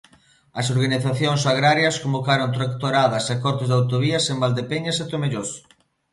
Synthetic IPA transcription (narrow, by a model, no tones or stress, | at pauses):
ɐsoɾɣaniθaθjoŋsaɣ̞ɾaɾjɐskombokaɾont̪ɾakt̪oɾaðɐsakɔɾt̪ɪzðawt̪oβiɐsembald̪epeɲɐset̪omeʎos